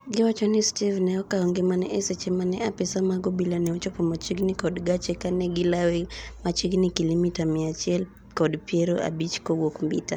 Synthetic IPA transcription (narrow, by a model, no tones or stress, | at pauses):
ɡiwat͡ʃɔnistivnɛɔkaɔŋɡɛmanɛʔɛsɛt͡ʃɛmanɛapɛsamaɡɔbilanɛɔt͡ʃɔpɔmat͡ʃiɡnikɔdɡat͡ʃɛkanɛɡilawɛmat͡ʃiɡnikilimitamiat͡ʃɛl | kɔdpiɛɾɔʔa̰bit͡ʃkɔwɔkmbḭta